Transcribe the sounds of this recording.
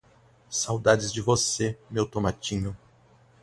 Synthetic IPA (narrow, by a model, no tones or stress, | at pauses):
sawd̪ad͡ʒɪzd͡ʒɪvosemewt̪omat͡ʃĩɲʊ